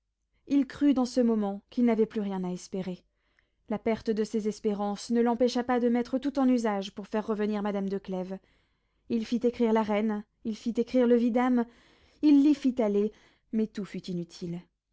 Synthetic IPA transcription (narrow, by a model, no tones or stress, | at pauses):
ilkχyd̪ɑ̃səmɔmɑ̃kilnavɛplyʁjɛ̃naɛspeʁe | lapɛʁt̪əd̪əsezɛspeʁɑ̃snəlɑ̃pɛʃapad̪əmɛt̪χət̪ut̪ɑ̃nyzaʒpuʁfɛʁːəvəniʁmad̪amd̪əklɛv | ilfit̪ekχiʁlaʁɛn | ilfit̪ekχiʁləvid̪am | ilːifit̪ale | mɛt̪ufyt̪inyt̪ʰil